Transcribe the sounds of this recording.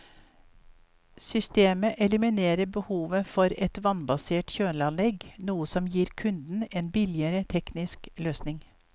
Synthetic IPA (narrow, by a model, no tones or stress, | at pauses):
sʏst̪eːməʔɛləmɪneːɾəbəhuːʋəfɔɾɛt̪ʋɑnbɑseːʈçøːlɑnlɛɡnuːəsɔmjiːɾkʰʉnd̪n̩eːnbɪlɪəɾət̪ʰɛknɪskløːsnɪŋ